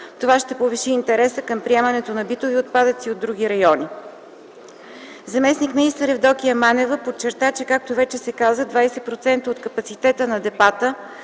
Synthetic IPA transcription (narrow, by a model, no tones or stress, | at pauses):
t̪ovaʃt̪ɛpoviʃiːnt̪ɛɾɛsəkɤmpɾiɛmənɛt̪onɐbit̪oviot̪̚pad̪ət̪siod̪ːɾuɡʲiɾɐjɔni | zɐmɛsnikminist̪əɾɛvd̪ɔk̟iɐmanɛvəpot͡ʃːɛɾt̪at͡ʃɛkak̚t̪ovɛt͡ʃɛsɛkazəd̪vajsɛpɾot̪sɛnt̪əot̪kɐpɐt̪sit̪ɛt̪ənɐd̪ɛpat̪ə